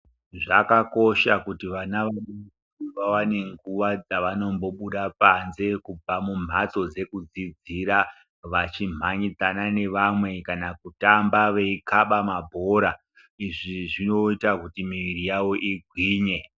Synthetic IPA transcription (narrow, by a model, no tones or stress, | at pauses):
ʐa̰kako̞ʃakutiʋanaʋane | iʋawane̞ŋɡuʋad͡zaʋano̞mbo̞ɓuɗapanze̞kub͡vʱamum̤at͡so̞d͡ze̞kud͡zid͡ziɾa | ʋat͡ʃim̤ʱaɲid͡zanane̞ʋamwe̞kanakutambaʋeikaɓamabʱo̞ɾa | iʐiʐino̞itakutimiʋirijawo̞ʔiɡʱwiːɲe̞